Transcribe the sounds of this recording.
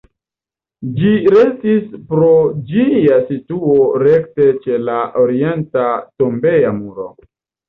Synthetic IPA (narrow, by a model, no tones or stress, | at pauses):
d͡ʒiɾe̞stispɾo̞d͡ʒijasituoɾe̞kte̞t͡ʃe̞laʔo̞ɾie̞ntatombe̞jamuɾo̰